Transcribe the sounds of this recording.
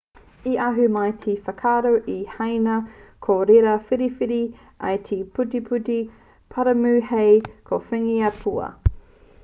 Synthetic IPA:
iʔɐɦʉmɐjtʰifɐkʰaːɾowʔihɐjnɐkʰoɾeɾɐfiɾifiɾi | ʔɐ̰jtʰipʰʉtipʰʉti | pʰɐɾɐmʉːhejkʰofɛŋiɐpʰuɐ̰

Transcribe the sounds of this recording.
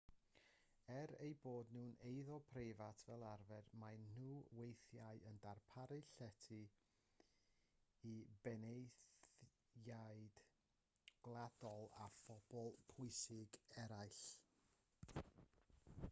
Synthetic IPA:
ɛɾejboːdnuːnejðɔpʰrevatʰvɛlˠarvɛdmajnːuːwejθjaɨəndarpʰaɾɨɬɛtʰɨ | ibɛnejθ | jaɨd̥ | ɡ̥lˠad̥ɔlˠafɔb̥ɔlˠpʰʊɨsɪɡɛɾajɬ

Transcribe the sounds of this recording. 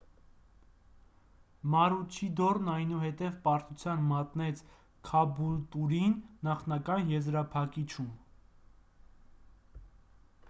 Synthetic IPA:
mɑɾut͡ʃʰid̪ɔrnɑjnuɦɛt̪ɛvpɑɾt̪ut͡sʰjɑnmɑt̪nɛt͡sʰ | kʰɑbult̪uɾinːɑχnɑkɑnjɛzɾɑpʰɑkit͡ʃʰum

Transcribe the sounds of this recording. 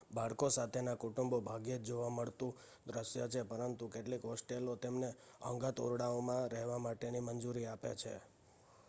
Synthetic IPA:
baɭkosat̪ʰenakuʈumbobʱaɡjed͡ʒd͡ʒoʋaməɭt̪ũ | d̪ɾəsjət͡ʃʰepəɾənt̪ukeʈlikɦɔsʈelot̪emne | ə̰ŋɡat̪o̰ɾɽaomãɾɛɦʋamaʈenimənd͡ʒuɾiapḛt͡ʃʰḛ

